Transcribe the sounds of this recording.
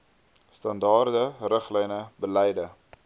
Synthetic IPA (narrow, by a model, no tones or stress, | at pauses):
stɐndɑːrdərəχlɛjnəbəlɛjdə